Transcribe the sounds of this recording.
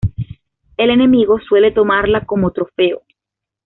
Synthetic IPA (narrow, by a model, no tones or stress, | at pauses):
e̞le̞ne̞miɣo̞swe̞le̞t̪o̞maɾlako̞mo̞t̪ɾo̞feo